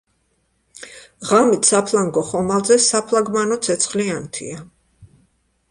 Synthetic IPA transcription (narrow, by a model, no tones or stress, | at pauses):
ʁamit̪ʰsapʰlˠaŋɡɔχɔmalˠzɛsapʰlˠaɡmanɔt̪sʰɛt̪sʰχliant̪ʰḭa